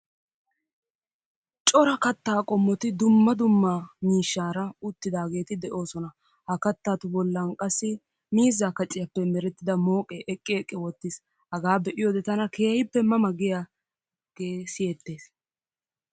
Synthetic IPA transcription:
t͡ʃʼɔɾɐkɐt̪ːaːkʼɔmːɔt̪ɪd̪ʊmːɐd̪ʊmːamiːʃːaːɾɐʊt̪ːɪd̪aːɡe̞ːt̪ɪd̪ɛʔo̞ːsɔnɐ | hɐkɐt̪ːaːt̪ʊbɔlːɐnkʼɐsːɪ | miːzːaːkɐt͡ʃʼːɪjɐpːɛmɛɾɛt̪ːɪd̪ɐmo̞ːkʼɛʔɛkʼːɪɛkʼːɪwɔt̪ːɪs | hɐɡaːbɛʔɪjoːd̪ɛt̪ɐnɐkeːhɪpːɛmɐmɐɡɪjaː | ɡ̥eːsɪjɛt̪ːe̞ːs

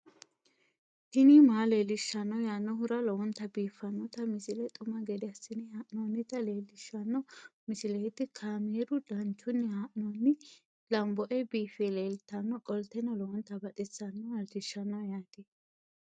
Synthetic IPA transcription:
t̪ɪnimaːleːlɪʃːɐnːɔjaːnːɔhʊɾɐlɔwɔnt̪ːɐbiːfːɐnːɔt̪ɐmɪsɪlɛt̪ʼʊmɐɡɛd̪ɪɐsɪnɪhaʔnoːnːɪt̪ɐleːlːɪʃːɐnːɔmɪsɪlɛt̪ːɪkʰaːmeːɾʊd̪ɐnt͡ʃːʊnːɪhaʔnoːnːɪ | lɐmbɔʔɛbiːfɛleːlt̪ːɐnːɔkʼɔlt̪ːɛnɔlɔwɔnt̪ːɐbɐt̪ʼɪsɐnːɔɐlt̪ɪʃːɐnːɐwjaːt̪eː

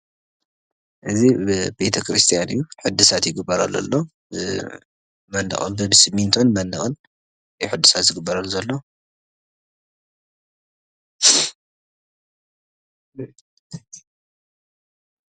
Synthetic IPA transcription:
ʔɨzib̥e̞t̪ʰɐkɾist̪ʰijanɨjːuħɨd̪ːɨsat̪jɪɡɨbːɐɾalɐ̰lːo | mɐnːɐ̰xʼɨ̰nbɐbɨsɨmːint̪ʰonmɐnːɐxʼɨl | jħɨd̪ːɨsat̪zɨɡɨbːɐɾɐlːuzɐlːo̞

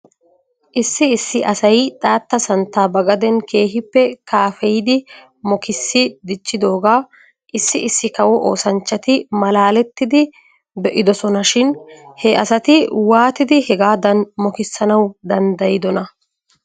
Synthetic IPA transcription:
ʔɪsːɪɪsːɪʔɐsɐjt̪ʼaːt̪ːɐsɐnt̪ːaːbɐɡɐd̪ɛnke̞ːɦɪpːɛkaːfɛjɪd̪ɪ | mɔkɪsːɪd̪ɪt͡ʃːɪd̪o̞ːɡaː | ʔɪsːɪɪsːɪkɐwɔʔo̞̰ːsɐnt͡ʃːɐt̪ɪmɐlaːlɛt̪ːɪd̪ɪ | bɛʔɪd̪ɔsɔnɐʃɪnhɛɐsɐt̪ɪwaːt̪ɪd̪ɪhɛɡaːd̪ɐnmɔkɪsːɐnɐwd̪ɐnd̪ɐjɪd̪ɔnɐ

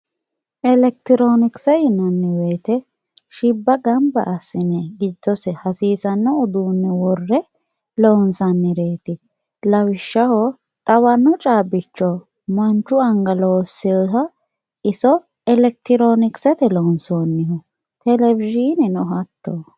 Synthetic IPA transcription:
ʔɛlɛk̚t̪ɪɾonɪksɛjɪnːɐnːɪweːt̪ɛ | ʃɪbːɐɡɐmbɐ̰ʔːsːɪnɛɡɪd̪ːɔsɛhɐsiːsɐnːɔʊd̪uːnːɪwɔrːɛ | lɔnsɐnːɪɾeːt̪ɪ | lɐwɪʃːɐhɔ | t̪ʼɐwɐnːɔt͡ʃʼaːbɪt͡ʃːɔ | mɐnt͡ʃːʊɐŋɡɐloːsːɛjɔtɐ | ʔɪsɔ | ɛlɛk̚t̪ɪɾonɪksɛt̪ɛlonsoːnːɪhɔ | t̪ɛlɛvɪʒinɛnɔɦɐt̪ːo

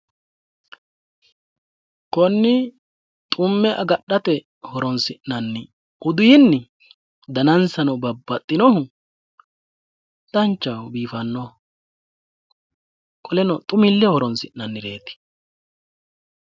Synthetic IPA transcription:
kɔnːɪ | t̪ʼʊmːɛʔɐɡɐɗɐt̪ɛ | hɔɾɔnsɪʔːɐnːɪ | ʊd̪ʊjɪnːɪ | d̪ɐnɐnsɐnɔbɐbːɐt̪ʼːɪnɔhʊ | d̪̥ɐnt͡ʃːɐwbiːfɐnːɔ | kʼɔlɛnɔt̪ʼʊmɪlːɛhɔɾɔnsɪʔːɐnːɪɾe̞ːt̪ɪ̥

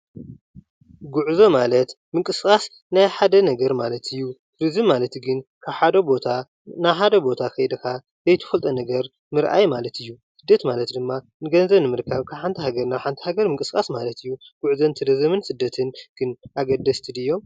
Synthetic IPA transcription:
ɡuʕzomalɐt̪ | mɨŋkʼɨskʼas | najħad̪ɐnɐɡɐɾmalɐt̪ʰɨjːu | ɾɨzɨmːalɐt̪ɡɨnkʰaβħad̪ɐbot̪ʰa | naħad̪ɐbo̞t̪ʰakɐjd̪ɐka | zɐjt̪ʰɐ̥fɐlt̪ʼɐnɐɡɐɾ | mɨɾʔa̰jmalɐt̪ʰɨjːusɨd̪ːɐt̪malɐt̪d̪ɨmːa | nɨɡɐnzɐβnɨmɨɾkʰaβkʰaβħant̪ʰihaɡɐɾnaħant̪ʰi̥haɡɐɾmɨŋkʼɨskʼasmalɐt̪ɨjːuɡ̥uʕzɐnt̪ʰɨd̪ɐzɐmɨnsɨd̪ːɐt̪ʰɨnɡ̥ɨnʔaɡɐd̪ːɐst̪ʰid̪ɨjːo̞m

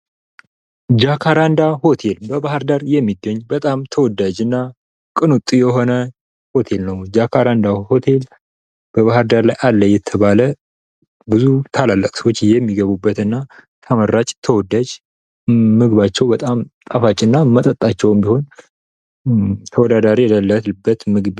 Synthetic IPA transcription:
d͡ʒakʰaɾand̪aho̞t̪ʰe̞lbəbahɨɾd̪aɾjɛmːiɡəɲːbət̪ʼamt̪ʰəwɔd̪ːad͡ʒɨnːa | kʼɨnut̪ʼjɛɦo̞nə | ho̞t̪ʰe̞lnəwd͡ʒakʰaɾand̪aho̞t̪ʰe̞l | b̥əβahɨɾd̪aɾlajʔalːəjɛt̪ʰəβalə | bɨzut̪ʰalalːəkʼsəwot͡ʃːjɛmːiɡəβubːət̪ɨnːa | t̪ʰəməɾːat͡ʃʼt̪ʰəwɔd̪ad͡ʒ | mɨɡɨβat͡ʃːɛwbət̪ʼamt̪ʼafat͡ʃʼːɨnːamət̪ʼət̪ʼːat͡ʃːɛwɛmbiho̞n | t̪ʰəwɔd̪ad̪aɾijad̪əlːəlbːət̪mɨɡβ

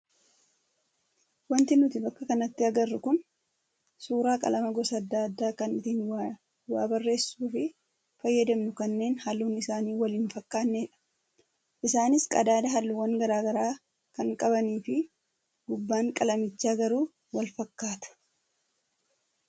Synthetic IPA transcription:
wɐnt̪ɪnʊt̪ɪbɐkːɐkɐnɐt̪ːɪɐɡɐrːʊkʊn | suːɾaːkʼɐ̰lɐmɐɡɔsɐd̪ːaːɐd̪ːaːkɐnɪt̪iːn | waːbɐrːe̞ːsːuːfɪ | fɐjːɐd̪ɛmnʊkɐnːe̞ːnhɐlːuːnːɪɪsaːniːwɐliːnfɐkːaːnːeːᶑɐ̥ | ʔɪsaːnɪskʼɐ̰d̪aːd̪ɐɦɐlːuwɐŋɡɐɾaːɡɐɾaː | kɐŋkʼɐbɐniːfɪ | ɡ̥ʊbːaːŋkʼɐlɐmɪt͡ʃːaːɡɐɾuː | wɐlfɐkːaːt̪ʊ̥

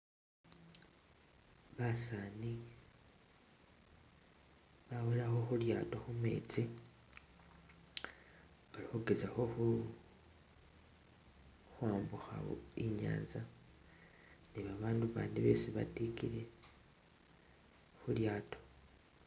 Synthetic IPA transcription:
βasani | βaweɾaxo̞xuɾja̰ːto̞xumḛːt͡si | oɾihuɡezaxo̞xu | xwaːmbuxa̰iɲa̰ːnza | niβaβaːnduβa̰ːndiβe̞̰ːsiβa̰tikiɾe̞ | xuɾjaːto̥

